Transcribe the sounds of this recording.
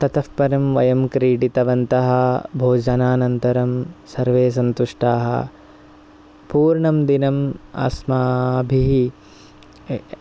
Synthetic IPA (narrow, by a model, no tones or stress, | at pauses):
t̪ɐt̪ɐfpɐɾɐmʋɐjɐmkɾiːɽit̪ɐʋɐnt̪ɐɦɐbʱoːd͡ʒɐnaːnɐnt̪ɐɾɐmsɐɾʋeːs̬ɐnt̪uʂʈaːɦɐ̰ | puːɾɳɐmd̪inɐmɐ̰smaːbʱiɦi